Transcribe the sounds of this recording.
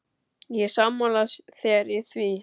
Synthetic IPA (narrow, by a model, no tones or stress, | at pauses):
jɛsamːalasθɛːɾɪθvi